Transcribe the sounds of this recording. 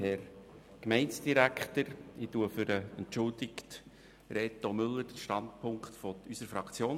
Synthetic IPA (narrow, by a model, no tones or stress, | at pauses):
hɛɾ | kmɛɪnsd̥iɾækχt̪əɾɪtuəfʏɾəənt͡ʃʊldɪkt | ɾet̪omʏlːəɾdəʃtɑndpʰʊŋkχtfɔysəɾfɾɑkt͡sjoːn